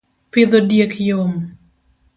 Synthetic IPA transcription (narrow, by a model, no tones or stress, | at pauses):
pɪd̪odjekjom